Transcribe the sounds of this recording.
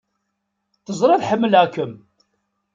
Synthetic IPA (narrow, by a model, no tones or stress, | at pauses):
θəzˤɾˤeðħəmːəlʕakːəm